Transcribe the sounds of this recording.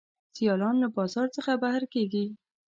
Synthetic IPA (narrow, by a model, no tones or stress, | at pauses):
sijɑlɑnlabɑzɑɾt͡səxabahɾkeɡi